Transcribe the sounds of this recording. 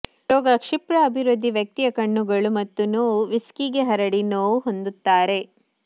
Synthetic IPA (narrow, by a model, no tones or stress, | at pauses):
ɾɔːɡɐkʂipɾɐːbʱiɾud̪ʱːiʋjɐk̚t̪ijɐkɐɳːuɡɐɭumɐt̪ːunoːʋiskiɡeɦɐɾɐɽinoːuɦo̞nd̪ut̪ːaːɾe̞